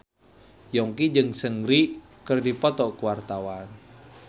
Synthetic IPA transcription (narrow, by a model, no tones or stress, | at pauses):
jɔŋkid͡ʒɨŋsəŋɾi | kərdipɔt̪ɔkəwart̪awan